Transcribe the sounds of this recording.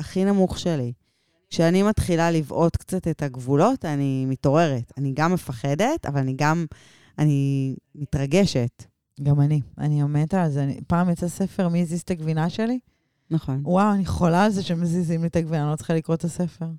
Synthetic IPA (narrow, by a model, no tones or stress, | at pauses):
aχinamuχʃeli | kʃeanimatχilalivʔo̞tkt͡sate̞taɡvulo̞tanimito̞ʁe̞ʁetaniɡamːefaχe̞de̞ta̰valaniɡam | animitʁaɡeʃet | ɡamania̰niamentalzeanḭpaːmjat͡sesefe̞ʁmizizt̪aɡvinaʃe̞li | naχo̞nwawaniχolalzeʃemezizimlietaɡvinalot͡se̥χalikʁottasefeʁ